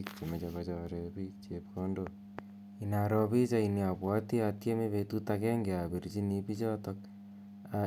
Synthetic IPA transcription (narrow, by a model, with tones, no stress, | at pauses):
kt͡ʃe˨me˨t͡ʃaka˧t͡ʃɔ˨ɾe˨pi˦k̚t͡ʃe˨pko˦ndo | i˨na˨ɾɔ˦pi˦t͡ʃa˦ini˨a˨pwɔ˦ti˦a˧tje˦me˦βe˧tu˦take˦ŋɡe˨a˨be˨ɾit͡ʃi˦ni˧pi˦t͡ʃɔ˦to˧k̚ | a